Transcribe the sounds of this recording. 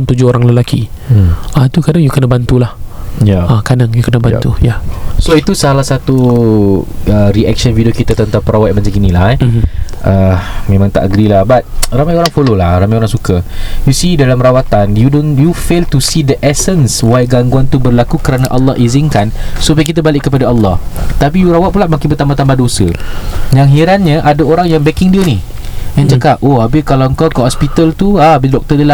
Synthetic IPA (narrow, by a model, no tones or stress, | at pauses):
nt̪ud͡ʒʊoɾaŋləlakʰi | at̪ukadaŋjukənabant̪ulahjaakadaŋjukənabant̪ujasoit̪usalahsat̪u | əɾiʔɛk̚ʃənvidiokit̪at̪ənt̪aŋpəɾawat̪̚baɲt͡ʃaŋkinila | ʔəmẽmãŋt̪a̰ʔɡɾilahbat̪̚ramajoɾaŋfololahramãjoɾaŋsukajusidalamrawat̪anjudonjufelt̪usidəʔɛsənswajɡaŋɡuant̪ubərlakukəɾanaʔalːɑ̰hʔizɪnkansupajk̬it̪̬abalɪʔkəpadaalːɑht̪ap̬ijuɾawat̪̚pulaʔmakɪnbərt̪ambaht̪ambahdosə̰jaŋɦiɾanɲə̃ʔadaoɾaŋjaŋbɛkɪŋdioni | ãnt͡ʃakap̚oabəkalawəŋkawkəhɔspit̪əlt̪uaabidɔk̚t̪ədəla